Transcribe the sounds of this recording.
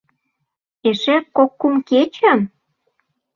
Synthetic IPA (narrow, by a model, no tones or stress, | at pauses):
eʃĕkokːumket͡ɕə̆m